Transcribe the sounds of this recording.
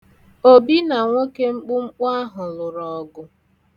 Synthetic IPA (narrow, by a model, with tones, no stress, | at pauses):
o˨bi˦na˨ŋʷo˦ke˦ŋ͡m̩˦k͡pʊ˦ŋ͡m̩˦k͡pa˦ɦʊ˨lʊ˨ɾɔ˨ɡʊ˦